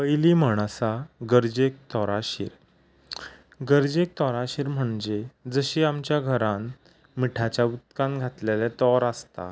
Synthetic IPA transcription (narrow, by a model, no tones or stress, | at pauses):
pəjliːmaɳ̃saɡəɾd͡ʑek̚t̪ɔɾaɕḭːɾ | ɡəɾd͡ʑek̚t̪ɔɾaɕiːɾm̤əɳd͡ʑed͡zəɕiːamt͡ɕjaɡʱəɾan | miʈʰat͡ɕjaut̪̚kãŋɡʱat̪lelɛt̪ɔɾəst̪a̰